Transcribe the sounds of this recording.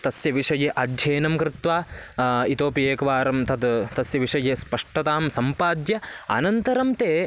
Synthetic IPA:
t̪ɐsjɐʋiʂɐjeʔɐd̪ʱjeːnɐmkɾɪt̪ʋaːit̪oːpijeːkɐʋaːɾɐmt̪ɐd̪t̪ɐsjɐʋiʂɐjespɐʂʈɐt̪aːmsɐmpaːd̪jɐɐ̰nɐnt̪ɐɾɐmt̪eː

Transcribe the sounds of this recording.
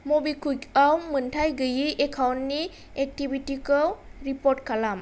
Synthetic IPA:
mobikʰujkawmɯntʰajɡɯjiʔekʰawntni | ek̚tibʱitikɯwɾipɔɾt̚kʰalam

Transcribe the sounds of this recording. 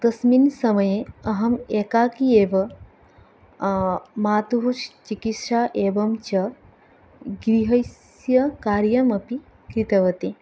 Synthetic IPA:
d̪̥ɐsminsɐmɐjeɐɦɐmeːkaːkieːʋɐ | maːt̪uɦuʃt͡ʃikit̪ʂaːʔeːbɐmt͡ʃɐ | ɡɾiɦɐjs | jɐkaːɾjɐmɐpi | kɾit̪ɐʋɐt̪e

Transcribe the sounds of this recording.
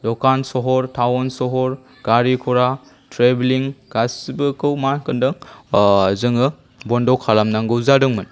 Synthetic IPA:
dɔkansɔɦɔɾtʰawɔnsɔɦɔɾ | ɡ̥aɾikʰɔɾa | tɾebliŋɡ̥asibɯkɯwmankɯndɯŋ | zɯŋɯ | bɔndɔkʰalamnaŋɡɯwzadɯŋmɯn

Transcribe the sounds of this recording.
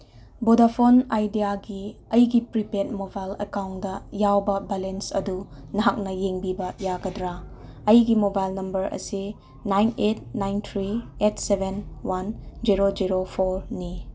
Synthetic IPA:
bodapʰonajdijaɡiɐjɡipɾipet̚mobajlekawndɐjawbɐbelensɐ̰dunɐɦak̚nɐjeŋbibɐjaɡɐdɾaɐjɡimobajlnɐmbɐɾʔɐ̰si | najnet̚najnt̪ʰɾiet̚ʰsebʱenwand͡ʒiɾod͡ʒiɾopʰoɾni

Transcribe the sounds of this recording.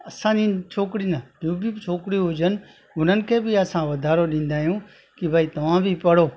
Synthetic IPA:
əsãːd͡ʒiːt͡ʃʰoːkɽiːnad͡ʒõːbʱit͡ʃʰoːkɽiɦʊd͡ʒən | ɦʊn̤ənɪ̆kʰeːbiəsãʋəd̪ʱaːɾoɗĩːnd̪aːɦijũː | kibʱaːiːt̪ɐʋãːbʱipəɽoː

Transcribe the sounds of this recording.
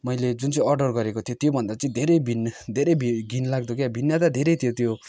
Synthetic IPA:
mʌjled͡zunt͡sʌĩʌrɖʌrɡʌɾekot̪ʰijot̪jobʱʌnd̪at͡sʌĩd̪ʱeɾʌjbʱind̪ʱeɾʌjbʱiɡʱinlaɡ̚d̪ukjabʱinːat̪ad̪ʱeɾʌjt̪ʰijot̪jo

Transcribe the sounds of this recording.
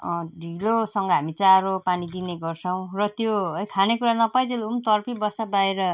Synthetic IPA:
ɖʱilosʌŋɡʌɦamit͡saɾopanid̪ineɡʌrt͡sʰʌw̃rʌt̪joʌjkʰanekuɾanʌpajd͡zelumt̪ʌrpibʌsabaeɾʌ

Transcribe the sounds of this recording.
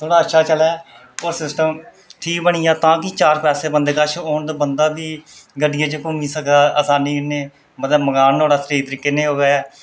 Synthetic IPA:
t̪ʰoːɽaːəʃʰaːt͡ʃəlɛː | oːɾsɪsʈəm | ʈʰiːk̚bəɳ̃ɪjãːt̪ãːkit͡ʃaːɾkɾɛːseːbənd̪eːkət͡ʃʰoːnd̪abənd̪aːbiːɡəɖɪjẽːt͡ʃəkʊmiːsək̪aːʔəsaːnĩːɪneː | mət̪ləbməɡaːnt̪oːɽaːt̪ɾiːt̪əɾikːeːnẽːɦoːɡːɛː

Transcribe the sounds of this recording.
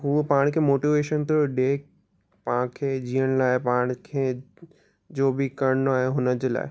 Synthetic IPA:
ɦupaːɽ̃kʰemoːʈiʋeːʃənt̪oɖeːk | pãkʰed͡ʑiːəɽ̃laːɪpaːɽ̃kʰeː | d͡ʑoːbʱikɐɾənoaːɦeɦʊnəd͡ʑəla̰ːɪ

